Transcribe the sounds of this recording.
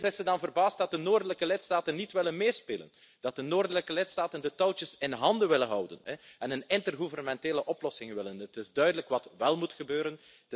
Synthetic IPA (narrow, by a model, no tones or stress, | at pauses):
zɪsədɑnvərbaːstdɑt̚dənoːrdələkəlɪtstaːtənːitʋɪlənmeːspḛːlə̰n | d̥ɑt̚dənoːrdələkəlɪtstaːtəndətɔwtəsɪnɦɑndəʋɪlənɦʌwdə̰nɛɛnənɪntərɣuvərnəmɛnteːləʔɔplɔsɪŋʋɪlənətɪzdœɥdələkʋɑtʋɛlˠmutxəbøːɾən